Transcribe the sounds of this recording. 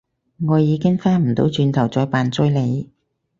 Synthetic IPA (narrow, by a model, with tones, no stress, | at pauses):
ŋɔː˨˧jiː˨˧kɪ˥ŋfaː˥nm̩˨˩t̪o̰˨˥wt͡ʃyː˧nt̪ʰɐ˨˩wt͡sɔː˨˧jpaː˨nt͡sɵ˥jle˨˧j